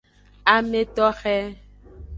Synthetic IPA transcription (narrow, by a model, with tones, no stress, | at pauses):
a˨me˦t̪ɔ˦xɛ˦